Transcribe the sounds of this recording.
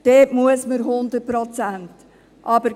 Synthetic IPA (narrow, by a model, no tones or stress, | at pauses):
d̥eːtmuəsməɾɦʊnd̪əpɾɔt͡sænt | ʔɑbəɾ